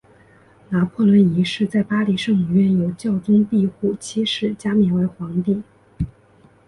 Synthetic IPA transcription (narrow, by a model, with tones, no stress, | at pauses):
na˧˥pʰɔ˥˩lwə˧˥ni˧˥ʂɻ̩˥˧t͡sa˥˩ɪpa˥li˧˥ʂɤ˥˩ŋu˨˩ɥɛ˥˩njo˨˩ʊt͡ɕjɑ˥˩ʊt̪i˥np̪i˥˧xu˥˩t͡ɕʰi˥ʂɻ̩˥˩t͡ɕja˥mi˧˥nwe˧˥ɪxwɑ˧˥ŋt̪i˥˩ŋ